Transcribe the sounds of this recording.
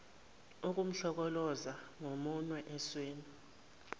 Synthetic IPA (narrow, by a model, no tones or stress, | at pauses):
uk̬ʼum̩ɬɔk̬ɔlɔzaŋomunwɛʔɛsweːni